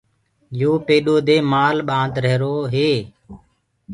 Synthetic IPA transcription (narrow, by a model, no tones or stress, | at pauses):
joːpeːɗoːd̪eːmaːlɓãːnd̪ɾəɦɾoːɦeː